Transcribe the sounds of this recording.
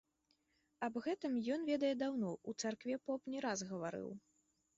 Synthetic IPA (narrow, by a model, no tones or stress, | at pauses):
ɐbɣɛt̪ɨmjɔnvʲɛd̪ɐjɛd̪awnɔut̪sarkvʲɛpɔpnʲɛɾazɣɐvaɾɨ̰w